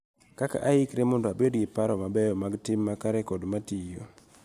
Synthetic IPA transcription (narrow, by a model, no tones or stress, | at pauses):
kaka̰ʔaikɾemondoabedɡɪpaɾɔmabɛjɔmaɡtɪmːakaɾɛkɔdmatijo